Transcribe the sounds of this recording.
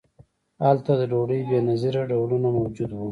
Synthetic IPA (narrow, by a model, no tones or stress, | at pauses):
alt̪ad̪əɖoɖəjbenaziɾaɖawlunamawd͡ʒud̪wu